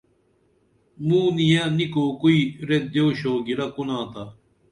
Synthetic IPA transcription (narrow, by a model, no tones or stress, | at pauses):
mũːnijãːnikoːkuiːɾed̪joːɕoːɡiɾakunãːt̪aː